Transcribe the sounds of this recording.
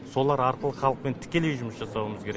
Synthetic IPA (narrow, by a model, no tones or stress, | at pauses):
so̞lˠɑɾɑɾqəlˠəχɑlˠəq̚pe̞nt̪ʰɪ̥kʲe̞lejʒʊməsʒɑsɑwəməzkʲʰe̞ɾe